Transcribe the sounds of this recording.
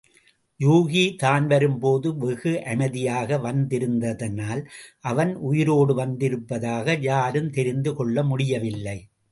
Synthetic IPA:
juːɣit̪aːnʋɐɾɯmpoːðɯʋɛɣɯʔɐmɐðɪjaːɣɐʋɐnd̪ɪɾɯnd̪ɐðɐnaːlʔɐʋɐnʔʊjɪɾoːɽɯʋɐnd̪ɪɾɯpːɐðaːɣɐjaːɾɯmt̪ɛɾɪnd̪ɯkɔɭːɐmʊɽɪjɐʋɪlːɐɪ

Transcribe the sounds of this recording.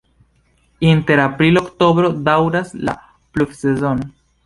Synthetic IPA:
inte̞ɾapɾilo̞kto̞bɾo̞dawɾasla̰ | plubsezo̞no

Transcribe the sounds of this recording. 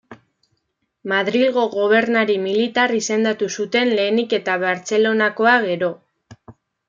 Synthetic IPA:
maðɾilɣo̞ɣo̞β̞e̞ɾnaɾimilit̪arise̞nd̪at̪usut̪e̞nle̞ːnike̞t̪aβaɾt͡se̞lo̞nako̞aɣe̞ɾo̞

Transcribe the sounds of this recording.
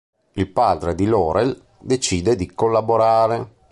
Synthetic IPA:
ilpaːd̪ɾed̪ilɔːɾel | d̪et͡ʃiːd̪ed̪ikolːaboɾaːɾe

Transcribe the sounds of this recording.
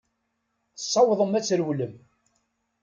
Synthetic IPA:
sˤːɑwðˤəmæt͡sːɾwləm

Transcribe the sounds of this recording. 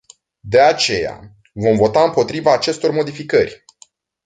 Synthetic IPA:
d̪e̞at͡ʃe̞̰ja̰ | vo̞mvo̞t̪aɨmpo̞t̪ɾivaːt͡ʃe̞st̪o̞rmo̞d̪ifikərʲ

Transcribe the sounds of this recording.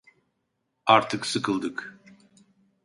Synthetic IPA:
aɾt̪ʰɯksɯkʰɯlˠd̪ɯk

